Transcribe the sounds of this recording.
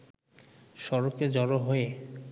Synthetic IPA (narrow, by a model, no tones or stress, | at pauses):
ʃɔɾoked͡ʑɔɾoɦoe